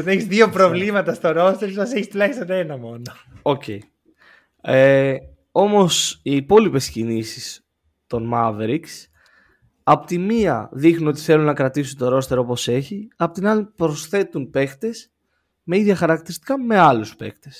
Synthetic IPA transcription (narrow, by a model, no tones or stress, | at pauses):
neçizðiopɾo̞vlimɐt̪ɐst̪o̞ɾo̞st̪eɾsmɐseçist̪ulɐçist̪onenɐmo̞no | ocei | e | o̞mo̞siːpo̞lipe̞scinisis | t̪o̞nmɐveɾiks | ɐpot̪imiɐ̰ðixnino̞t̪i̥θe̞lunːɐkɾɐt̪isunt̪o̞ɾo̞st̪e̞ɾo̞po̞se̞çiɐpo̞t̪inɐlipɾo̞sθe̞t̪unpe̞kt̪e̞s | me̞iðʝɐxɐɾɐkt̪iɾist̪i̥kɐme̞ɐluspe̞̰kt̪e̞s